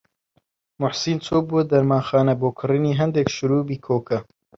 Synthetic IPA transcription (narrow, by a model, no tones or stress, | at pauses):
mʊħsiːnt͡sʰoːbuɛd̪ɐɾmaːxɑːnɐboːkʰɨriniːɦɛnd̪ekʃʊɾuːbiːkʰoːkɐ